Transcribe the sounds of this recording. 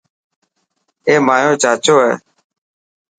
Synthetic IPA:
eːmaːjõːt͡ʃaːt͡ʃoːɦɛ̰ː

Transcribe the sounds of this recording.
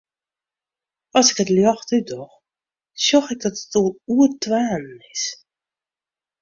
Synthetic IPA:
ɔsɪkətljɔxtydɔx | sjɔxɪk̚dɔtətɔlˠuərtwaːnnɪs

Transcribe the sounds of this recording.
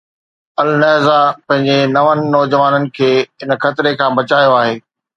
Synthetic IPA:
ɐlnɛɦzapɐ̃ɦɪ̃ɲd͡ʑenɐʋənɪ̆nɔːd͡ʑəʋaːnənɪ̆kʰeːɪnxɐt̪ɪɾekʰãːbɐt͡ɕaːjoaːɦeː

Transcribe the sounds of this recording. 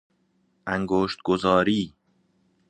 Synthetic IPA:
ʔæŋɡoːʃt̪̚ɡozɒːɾiː

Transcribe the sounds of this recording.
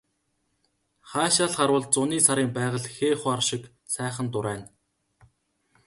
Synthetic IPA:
χaːʃaːɮχaɾwə̆ɮ̚t͡sʊniːsaɾiːmpæːʁə̆ɮxeːχarʃɪ̆k | sæːχə̆nt̪ʊɾæːn

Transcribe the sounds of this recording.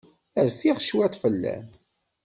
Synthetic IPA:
əɾfiʁʃwæt̪fəlːæ̰m

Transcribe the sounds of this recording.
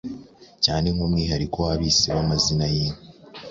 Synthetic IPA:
caːne̞ŋhumŋiːɦaɾiko̞waβiseβamazinajimi

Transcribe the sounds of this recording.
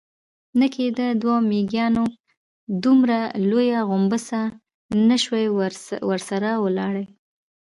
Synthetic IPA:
nəkʰed̪əd̪wɑmeɡjɑno | d̪umɾalojaɣʊmbəsa | nəʃwajwəɾsaɾawəlɑɽəj

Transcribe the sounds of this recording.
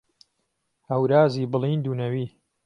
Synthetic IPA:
hɐwɾaːziːbɨliːnd̪uːnɐwiː

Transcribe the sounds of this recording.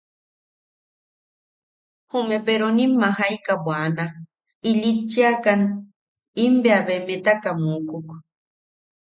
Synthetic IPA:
humepeɾonimːaɦajkabwana | ilit͡ʃiakan | imbeaβemẽt̪akamukuk

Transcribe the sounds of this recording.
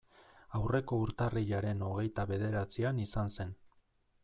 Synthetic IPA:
awre̞ko̞uɾt̪ariʎaɾe̞no̞ɣ̞e̞jt̪aβe̞ð̞e̞ɾat͡sianisanse̞n

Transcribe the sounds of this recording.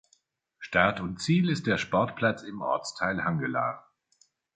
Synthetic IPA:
ʃtaɐtʊntt͡siːlɪst̚d̥eːɐʃpɔɐtpʰl̥at͡sɪmʔɔ̰ɐt͡stʰaɪlhaŋɡəla̰ː

